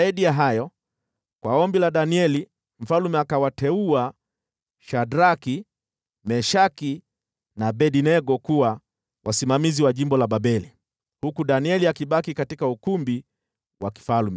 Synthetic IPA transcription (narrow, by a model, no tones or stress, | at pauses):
aiɗijaɦajɔ | kwaɔmbilaɗaniɛli | m̩falumɛakawatɛua | ʃadɾaki | mɛʃaki | naɓɛɗinɛɡɔkuwa | wʔasimamiziwaʄimbɔlaɓaɓɛli | hukuɗaniɛliakiɓakikatikaukumbi | waki̥falumɛ